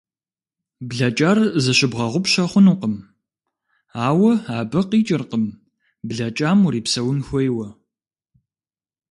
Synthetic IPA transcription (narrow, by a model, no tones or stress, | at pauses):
bɮɐt͡ʃʼaːrzɐɕɪbʁɐʁʷʊpɕɐχʷʊnuqəm | aːwɐaːbɐqiːt͡ʃʼɪrqəm | bɮɐt͡ʃʼaːmuɾiːpsɐwʊnxʷɔjwɐ